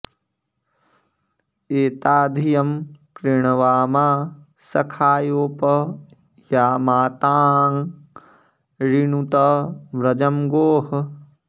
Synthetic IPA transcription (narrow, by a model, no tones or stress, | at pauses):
eːt̪aːd̪ʱijɐmkɾiɳɐʋaːmaː | sɐkʰaːjoːpɐ | jaːmaːt̪aːŋ | ɾiɳut̪ɐʋɾɐd͡ʒɐmɡoːɦɐ